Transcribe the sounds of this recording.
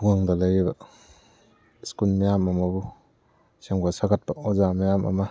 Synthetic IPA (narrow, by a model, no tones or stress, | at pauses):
uŋaŋdɐlɐjibɐ | skulmijamɐmɐbu | seŋɡasaɡat̚pɐozamajamɐ̰mɐ